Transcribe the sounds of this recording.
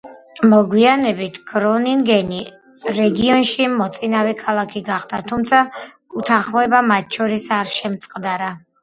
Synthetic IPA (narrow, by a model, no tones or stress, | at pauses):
mɔɡwianɛbit̪ʰɡ̥ɾɔniŋɡɛni | ɾɛɡiɔnʃimɔt̪sʼinavɛkʰalˠakʰiɡaχd̪at̪ʰumt̪sʰa | ut̪ʰanχmɛbamat̪̚t͡ʃʰɔɾisaɾʃɛmt̪sʼqʼd̪aɾa